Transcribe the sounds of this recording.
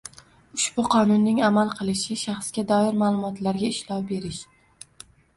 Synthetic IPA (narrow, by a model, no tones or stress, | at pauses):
ʊʃbʊqʰɒnʊnːɪŋamalˠqʰɨlˠɪʃɪʃaχsɡʲad̪ɒɪɾmalˠʊmɒt̪ʰlaɾɡʲaɪʃlɒwbe̞ɾɪʃ